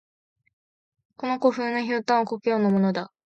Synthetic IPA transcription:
ko̞no̞ko̞ɸɯ̟ːnoçoːt̪ãɰ̃okokɯjoːnːamo̞nod̪a

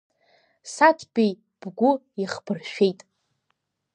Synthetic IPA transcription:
satʰbej | b̥ɡʷʊ | iχb̥ɨrʃᶣejtʼ

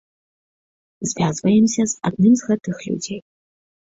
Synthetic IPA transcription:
zvʲaːzvɐjɛmsʲɐza̰d̪nɨmzɣɐtʰɨxlʲṵd͡zʲej

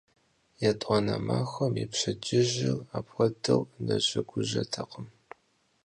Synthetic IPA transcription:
jatʼɔnɐmaːxʷɐmipɕɐd͡ʒɪʑɪraːpxʷɐdɐwnɐɕɐɡʷʊʑɐtʰɐqʼəm

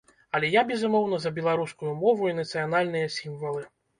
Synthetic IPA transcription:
ɐlʲɛjabʲɛzumɔwn̪ɐzɐbʲɛlˠaɾuskujumɔvuinɐt̪sɨjanalʲnɨjɐsʲimvɐlˠɨ

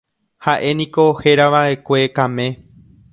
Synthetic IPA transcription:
haʔe̞nĩko̞he̞ɾaʋaʔe̞kʷe̞kãmẽ̞

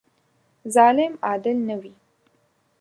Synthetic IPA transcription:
zɑlɪmɑːd̪ɪlnəwi

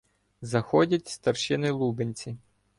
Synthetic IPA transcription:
zɐxɔdʲɐtʲst̪ɐrʃɪnɪlˠubenʲt͡sʲi

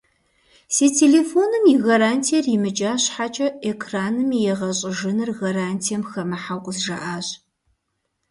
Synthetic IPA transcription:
seːtʰeːleːfoːnɨmjɪɣɐɾaːntʰijɐrjɪmɨt͡ʃʼaːɕħat͡ʃʼɐekʰraːnɨmjɛʁɐɕʼɪʒɨnɨrɣɐɾaːntʰijɛmxɐmɐħawqʷʼʊzʒa̰ʔaːɕʼ

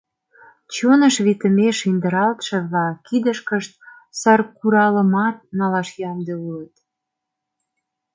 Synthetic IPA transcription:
t͡ɕonəʃβit̪ə̆meʃind̪ə̆ɾɑlt̪ʃĕβlɑkid̪əʃkəʃt̪̚ | sɑrkuɾɑləmɑt̪̚nɑlɑʃjɑmd̪euət̪

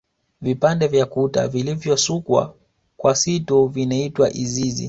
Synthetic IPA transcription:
vipandɛvjakuta̰vilivjɔsukwa̰ | kwasituvinaitwaʔizizḭ

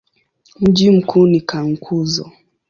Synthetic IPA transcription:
n̩d͡ʒim̩kʰunikaŋ̩kʰuzɔ̰

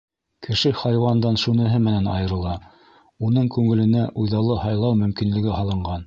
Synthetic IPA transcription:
kɘ̆ʃɘχɑjwɑnd̪ɑnʃunɘ̆ɦɘmɘ̆nænɑjɤ̆ɾɤ̆lˠɑ | unɤɴkʉŋɘ̆lɘ̆næʔujðɑlˠɤhɑjlˠɑwmɵ̆mkinlɘ̆ɡɘhɑlˠɤ̆ɴɢɑn

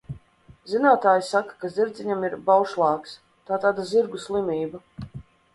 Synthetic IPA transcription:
zinaːt̪aːjsakḁkaziɾd̪zʲiɲamiɾbawʃlˠɑːks | t̪aːt̪aːd̪aziɾɡuslˠimiːba

